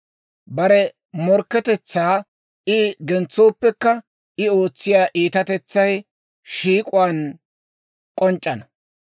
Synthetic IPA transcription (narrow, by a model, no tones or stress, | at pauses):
bɐɾɛ | mɔɾkːɛt̪ɛt͡sːaː | ɪɡɛnt͡sːo̞ːpːɛkːɐ | ɪo̞ːt͡sːɪjaːʔiːt̪ɐt̪ɛt͡sːɐj | ʃiːkʼʊwaːn | kʼɔnt͡ʃʼːɐnɐ